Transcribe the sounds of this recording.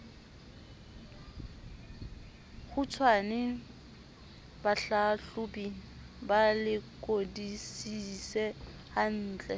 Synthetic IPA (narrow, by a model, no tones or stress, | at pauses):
ɣʊt͡sʰwanɪ | baɬaɬʊpiŋ̩ | balɪkʼodisisɛ | han̩ːt͡ɬʼɛ